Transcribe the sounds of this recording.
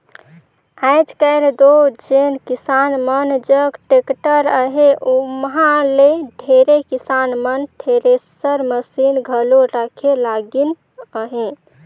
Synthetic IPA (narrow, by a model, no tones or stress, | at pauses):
aɪd͡ʒkəɪld̪od͡ʒenkisanmənd͡ʒəɡʈekʈəɾəɦeʔomɦãleɖʱeɾekisanmənʈʰeɾesəɾməsinɡʱəloɾəkʰelaɡin | əɦẽ